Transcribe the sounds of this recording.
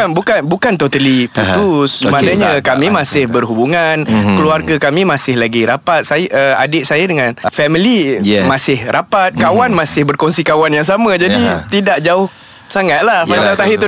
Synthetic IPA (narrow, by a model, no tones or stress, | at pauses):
anbukanbukant̪ɔt̪əliput̪ʊsmanaɲakamimasɪhbərɦubuŋankəluarɡakamimasɪhlaɡiɾapat̪̚sajʔəa̰dɪʔ̪̚sajadəŋanfɛmilimasɪhrapat̪̚kawanmasɪhbərkɔŋsikawanjaŋsamãd͡ʒadit̪idaʔd͡ʒaʊh | saŋat̪̚lahaamat̪aɦɪt̪ʊ